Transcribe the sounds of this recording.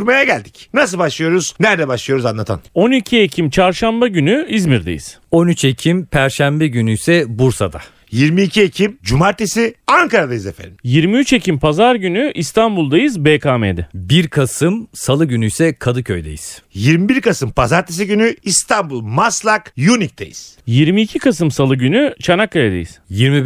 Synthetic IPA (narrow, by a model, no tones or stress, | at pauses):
ɾmajaɟælʲd̪icnasɯlˠbaʃlˠɯjo̞ɾuznæɾd̪ɛbaʃlˠɯjo̞ɾuzanlˠat̪ʰa̰no̞nicʰie̞cʰimt͡ʃʰaɾʃambaɟynyizmiɾd̪ejḭz̥ | o̞nyt͡ʃecʰimpʰæɾʃæmbɛɟynyjsɛbuɾsa̰d̪a | jiɾmiːcʰiecʰimd͡ʒumaɾt̪ʰesiaŋkaɾad̪ajɯzefḛɾijiɾmiyt͡ʃecʰimpʰazaɾɟynyʔist̪ʰambulˠd̪ajɯzbeːkaːmed̪ɛbiɾkʰasɯmsalˠɯɟynyjsɛkʰad̪ɯcʰø̰jd̪ḛjiz̥jiɾmibiɾkasɯmpʰazaɾt̪ʰes̬iɟynyist̪ʰambulˠmaslˠakjunic̚t̪ʰḛjḭz̥jiɾmiːcʰikʰas̬ɯmsalˠɯɟynyt͡ʃʰanakːajed̪ḛjiz̥jiɾmi